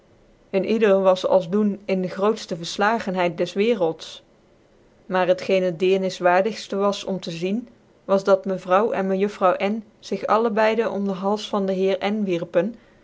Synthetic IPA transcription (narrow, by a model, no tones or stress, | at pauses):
ənʔidəlʋɑsɑ̰lˠzdunɪndəχrowtstəvəɹslaːχənɦɛjt̚dɛsʋɪːrəlˠts | maːrɦətχejnɦət̚dɪːnɪsʋaːɹdəχstəʋɑsɔmtəzin | ʋɑzdɑtməvrʌwʔɛ̰nməjɵfrɑwʔɛn | z̥ɪχɑ̰ləbɛjdənʔɔ̰mdəɦɑlˠsfɑndəɦɪːɹɛnʋiɹpən